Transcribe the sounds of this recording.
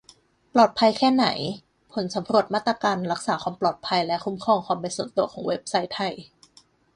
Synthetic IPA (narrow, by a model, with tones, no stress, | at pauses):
plɔː˨˩t̪̚pʰa˧jkʰɛː˥˩na̰˩˦j | pʰo˩˦nsa˩˦mɾu˧˩ət̪̚maː˥˩t̪ɾaː˧kaː˧nɾa˦˥k̚saː˩˦kʰwaː˧mplɔː˨˩t̪̚pʰa˧jlɛ˦˥ʔkʰu˦˥mkʰɔː˥˩ŋkʰwaː˧˩mpa˧nsu˨˩˦t̪t̪u˧˩əkʰɔː˩˦ŋwe˦˥p̚sa˦˥jt̪ʰa˧˩j